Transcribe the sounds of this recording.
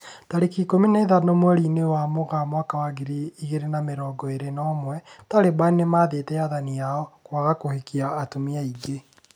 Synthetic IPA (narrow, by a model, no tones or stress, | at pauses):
taɾekikominaeðanomwɛɾinewamoɣamwakawaɣeɾiiɣeɾenameɾɔːɡɔeɾenɔmwɛtaɾebainemaːðetɛaðanijaɔkwaɣakohekiaːtomiaiɡe